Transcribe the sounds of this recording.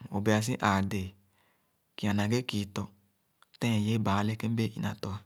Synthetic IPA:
o˨be˨a˧s̬i˦ʔaː˨de˨ | ki˨a˨nã˨ɡe˦ki˨˦tɔ˧ | tɛ̃˦˨je˨˦baː˨˦le˦ke˦m˦be˦ʔḭ˨nã̰˨tɔ˧a˧

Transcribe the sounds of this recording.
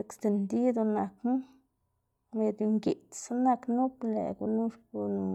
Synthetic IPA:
e˧kst̪e˧˨nd̪i˦d̪o˧na˨kn˦ | me˧d̪i˧ŋɡi˨t̪sa˦na˧knu˦plḛ˨ɡu˧nu˦ʂpo˧nu˧

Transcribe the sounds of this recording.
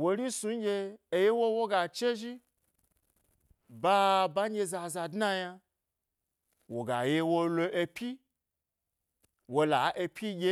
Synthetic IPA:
wo˧ɾi˦su˨˦ɡʲeː˧˨je˦wo˦wo˦ɡa˨t͡ʃe˦ʒi˦ | ba˦ba˦ɲ˦ɡʲe˧za˧za˧dna˦ja˧ | wo˨ɡa˨je˧wo˧lo˧ʔe˧pʲi˦ | wo˧la̰˨˦ʔe˧pʲʰi˦ɡʲe˦

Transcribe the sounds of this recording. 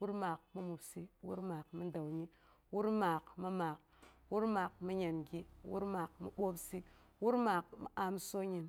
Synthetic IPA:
wu˦ɾma˨k̚mi˦mu˨bsi˦wṵ˦ɾmaː˨kmi˦nda˨wɲi˦ | wu˦ɾmaː˨kmi˦maː˨k̚ | wu˦ɾma˨k̚mi˦ɲe˨nɡʲi˦wṵ˦ɾmaː˨kmḭ˨ɓo˦psi˦ | wu˦ɾma˨kmi˨a˨m˦so˦ɲi˨n

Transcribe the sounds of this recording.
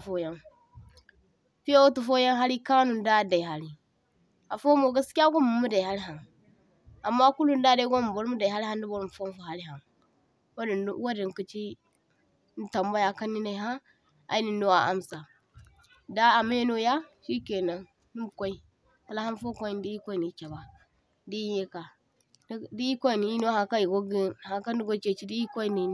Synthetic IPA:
fo˦ja˦n | fi˦a˦tu˨fo˦ja˦nɦa˦ɾi˦ka˦nu˨n˦da˦˨da˨i˨ɦa˦li˨ | a˨fo˦mo˨ɡa˦ska˦ɡʷo˦mu˨mu˦da˨i˨ɦa˦li˦ɦa˨n | a˨mːa˦ku˦lu˨nda˦da˨i˦ɡo˦m˨bo˦ɾmu˦da˨i˨ɦa˦lha˦n˦di˦bo˦ɾm˨fo˦m˦fo˨ɦa˦li˦ɦa˨n | wwa˦di˨ŋ˨ki˨t͡ʃi˦ | n̩˦ta˨mba˦ja˨ka˦nːi˦na˨i˨ɦa˦ | a̰˨i˦ni˨n˦do˦wa˨ʔa˦msa˨ | da˦a˨m˦e˦no˦ja˦ʃi˦ke˨na˦n | ni˦˨kʷo˦i˦ | ha˨la˦ha˦n˦fo˦ko˦i˦n˦di˦i˦kʷo˦i˨ni˨˦t͡ʃa˨ba˨ | di˦i˦je˦ka˨˦ | di˦i˦kʷo˦i˨ni˨i˦no˦ha˨ka˦i˨ɡo˦ɡi˦ha˨ŋka˦ndi˦ɡo˦t͡ʃe˨t͡ʃi˦di˦i˦ko˦i˦ni˨˦

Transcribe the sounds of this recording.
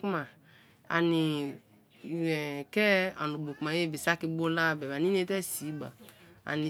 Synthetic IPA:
ku˦ma˨ | a̰˨nɪ˨ | ɛ˨kɛ˦a˨nu˨bo˨ku˨ma˨je˦bi˨sa˦ki˦bo˦la˦˨bɛ˨ba˨nĩ˦ne˦tɛ˦si˨˦ɡ͡ba̰˨a̰˨ni˨

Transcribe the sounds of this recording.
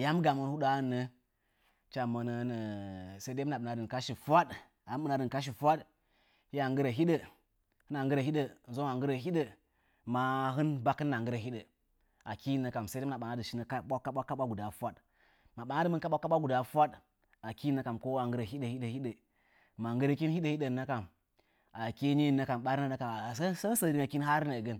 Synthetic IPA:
ja˦mɡa˨mə˨n˦hu˦ɗa˦ɨ˦nːə˦ | t͡ʃa˨mə˨nə˨˦nə˨se˦de˦na˨ɓɨ˨na˨dɨ˨ka˦ʃi˨fʷa˦d | a˨˦ɓɨ˨na˨dɨ˨n˨ka˦ʃ̬i˨fʷa˦d | hi˦a˨ŋɡɨ˦ɾə˨ɦi˦ɗə˨ | hɨ˦na˨ŋɡɨ˦ɾə˨hi˦ɗə˨zo˦ŋa˨ŋɡɨ˦ɾə˨ɦi˦ɗə˨ | ma˨ɦɨ˦nba˦kːɨ˦nːa˨ŋɡɨ˦ɾa˨hi˦ɗə˨ | a˨ki˦˨nːa˨ka˨msa˦i˦na˨ɓa˨ŋa˦dɨ˨i˦nə˨ka˦ɓa˦kːa˦ɓʷa˦kːa˦ɓa˦ɡu˨da˨fʷa˦ɗ | ma˨ɓa˨na˦dɨ˦˨mɨ˦nka˦ɓʷa˦ka˦ɓʷa˦ɡu˨da˨fu˦a˦d | a˨ki˦nːa˦ka˨mko˦a˨ŋɡɨ˦ɾa˨i˦ɗə˨hi˦ɗə˨hi˦ɗə˨ | ma˨ŋɡə˦ɾə˨ki˦nhi˦ɗə˨hi˦ɗə˨nːa˦ka˨m | a˨ki˦ɲi˦˨nːa˨ka˨mɓa˦ɾi˦na˦na˦ka˨ssə˦sə˦˨ɾi˦ŋa˨ki˦nɦa˦ɾna˨ɡə˦n

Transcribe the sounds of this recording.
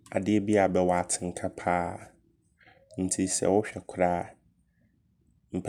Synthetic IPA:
a̰˨dɪ˦ɛ˦bi˦a˨bɛ˦wɔ˨a˨tʰɪ̃˨ŋ̩˨kʰa˦pʰaː˦ | n̩˨tʰi˦sɛ̰˨wʊ˦ɕᶣɛ˨kʷʰʊ˦ɾaː˦˨ | m̩˨pʰ

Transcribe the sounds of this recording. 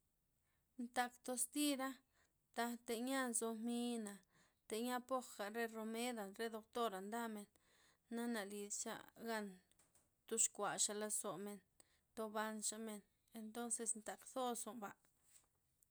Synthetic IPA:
nt̪a˧kt̪o˧st̪i˦ɾa˦ | t̪a˧t̪e˧˨ɲa˦nzo˧mi˧na˨ | t̪e˨ɲa˦po˦xɡa˨ɾe˦ɾo˧me˦d̪a˨nɾe˦d̪o˧k̚t̪o˦ɾa˨nd̪a˦me˨nː | a˦na˨li˨st͡ʃa̰˦ɡa˦n | t̪u˧ʂkʷa˨ʂa˧la˧so˨me˧n | t̪o˧ba˧nʃa˧me˧n | e˧nt̪o˦nse˧snt̪a˨kθo˦so˨mba˧

